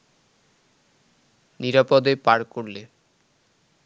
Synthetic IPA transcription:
niɾapod̪epaɾkoɾle

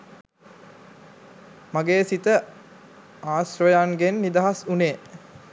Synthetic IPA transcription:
maɡeːsit̪ə | aːsɾəjaŋɡenːid̪aɦasuneː

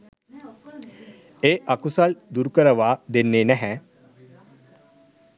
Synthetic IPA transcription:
eːʔakusald̪uɾkəɾəʋaːd̪enːeːnæɦɛ

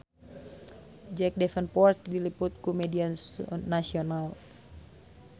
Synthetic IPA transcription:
d͡ʒɛk̚dɛfənpɔrt̪̚diliput̪̚kumɛdiannasional

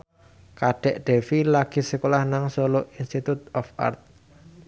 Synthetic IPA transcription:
kaɖ̥ɛ̤ʔɖ̪̥e̤filaɡ̥i̤səkolahnaŋsoloʔinst̪it̪ut̪̚ɔfa̰rt̪̚

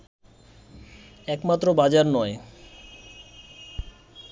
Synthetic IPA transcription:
ɛkmat̪ːɾobad͡ʑaɾnɔe

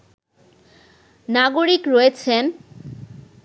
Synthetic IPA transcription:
naɡoɾikɾojet͡ɕʰen

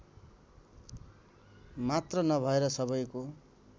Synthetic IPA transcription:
mat̪rʌnʌbʱʌeɾʌsʌbʌjko

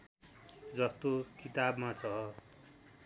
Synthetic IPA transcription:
d͡zʌst̪okit̪abmat͡sʰʌ

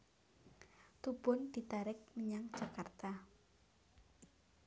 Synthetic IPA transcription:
t̪ub̥ʊnd̪̥i̤t̪aɾɪk̚məɲaŋd̥ʒ̥a̤kart̪a

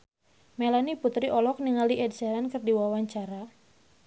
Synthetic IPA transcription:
melaniput̪ɾiʔɔlɔk̚niŋaliʔɛdsɛɾankɨrdiwawaɲt͡ʃaɾa

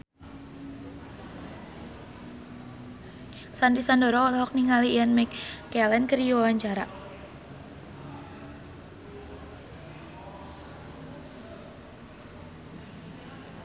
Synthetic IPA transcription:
sand̪isandɔɾɔɔlɔɦɔk̚niŋalianmɛkːɛlɛnkərijuwawaɲt͡ʃaɾa

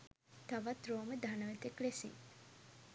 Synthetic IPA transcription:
t̪aʋat̪roːməd̪anəʋet̪eklesḭŋ

